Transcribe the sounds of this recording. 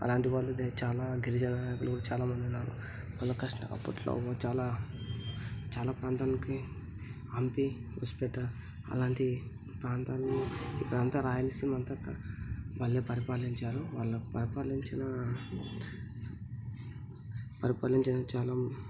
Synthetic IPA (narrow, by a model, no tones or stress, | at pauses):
ɐ̰laːɳʈiʋaːɭːud̪et͡ʃaːlaːɡiɾid͡ʒɐnaːnaːjkulɐɡuːɽat͡ʃaːlaːmɐnd̪iunːaːɾṵ | ʋaːɭːɐkɐʂʈɐ̰ʔɐ̰pːɐʈlo̰ːt͡ʃaːlaː | t͡ʃaːlaːpɾaːnt̪aːniki | ɐmpiʋṵspɛʈɐ | ɐ̰laːɳʈi | pɾaːnt̪aːnniikːɐɽɐnt̪aːɾaːjɐlsimɐnt̪ɐkːɐ̰ʋaːɭːeːpɐɾipaːliɲt͡ʃaːɾuʋaːɭːɐpɐɾipaːliɲt͡ʃinɐ | pɐɾipaːliɲt͡ʃinɐt͡ʃaːlɐm